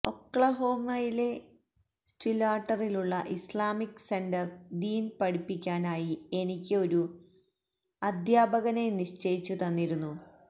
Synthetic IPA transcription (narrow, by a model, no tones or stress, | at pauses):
o̞kːɭɐɦo̞ːmɐjile̞ | sʈilaːʈːɐriluɭːɐʔislaːmikːse̞ndɐrd̪iːnpɐɽipːikʲːaːnaːjie̞nikʲːɨo̞ɾu | ɐd̪ʱjaːbɐɣɐneniʂt͡ɕejit͡ɕːut̪ɐnːiɾunːu